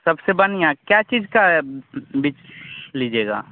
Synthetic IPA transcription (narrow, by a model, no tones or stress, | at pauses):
sɐbsebɐniakjat͡ʃiːzka | bit͡ʃlid͡ʒeːɡa̰ː